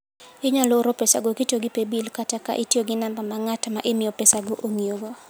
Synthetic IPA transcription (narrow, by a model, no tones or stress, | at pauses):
ɪɲalɔɾopesa̰ɡokitoɡɪpebilkataka̰ʔɪtjoɡɪnambamaŋatamaʔɪmɪɔpesaɡoʔoŋioɡo